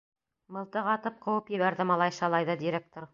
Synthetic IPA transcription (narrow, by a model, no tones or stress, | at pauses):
mɤ̆lˠt̪ɤʁɑt̪ɤp̚qʰŏwɤpjɘ̆βæɾðɘmɑlˠɑjʃɑlˠɑjðɤd̪iɾʲek̚t̪oɾ